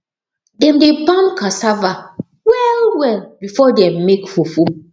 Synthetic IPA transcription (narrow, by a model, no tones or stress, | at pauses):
dɛ̃mdebãnkasava | wɛlwɛlbifɔdɛ̃mːekfufu